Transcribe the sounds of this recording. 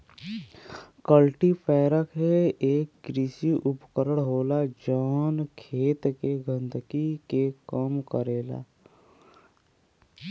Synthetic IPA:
kəlʈipʰɛːɾəkɦeeːkɡɾiːsiʔʊpkəɾəɽ̃ɦoːlad͡ʒɔːnkʰeːt̪keɡʱə̃nd̪kikekəmkəɾeːla̰ː

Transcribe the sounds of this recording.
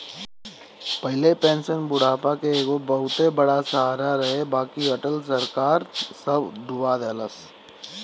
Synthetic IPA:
pɐɦɪlepɛ̃ːnsənbʊɽ̤aːpakeeːɡobɐɦʊt̪ɦebɐɽasɐɦaːɾaɾɐɦebaːkiɐʈəlsəɾkaːɾsəbd̪ʊʋaːd̪ələs

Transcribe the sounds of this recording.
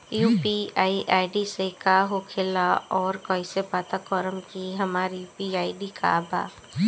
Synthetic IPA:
juːpiaːiʔaːɪɖisekaɦokʰelaɔːɾkɔːisepaːt̪akɔːɾəmkiɦɐmaːɾijuːpiaːiɖikʰa̰ːbʱa̰ː

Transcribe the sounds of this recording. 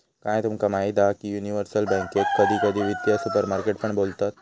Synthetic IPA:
kãːj̃t̪umkɐmaid̪akijuːniʋəɾsəlbɛ̃ːŋkekkːəd̪ʱikəd̪ʱiʋid̪jasupəɾmaːɾkeʈpəɳboːlt̪at̪̚

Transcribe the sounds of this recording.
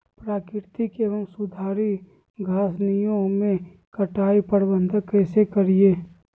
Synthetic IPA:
pɾaːkɪɾt̪ikeːʋəmsʊd̪ʱaːɾi | ɡʱaːsnijõmẽ | kəʈaːipəɽbə̃nd̪ʱəkɛːsekəɾieː

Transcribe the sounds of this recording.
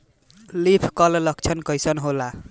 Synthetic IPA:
lipʰkɔllək̚t͡ʃʰənkəjsənɦola

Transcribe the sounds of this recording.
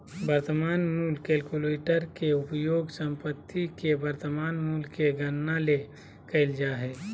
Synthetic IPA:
bəɾt̪əmaːnmuːlkeːlkuleːʈəɾkeʊpəjoːɡsə̃mpət̪ʰːikebəɾt̪əmaːnmuːlkeɡənːale | kəɪld͡ʒaːɦɛː

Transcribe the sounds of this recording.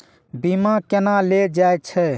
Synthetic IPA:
bimakenaled͡ʒaet͡ʃʰɛ

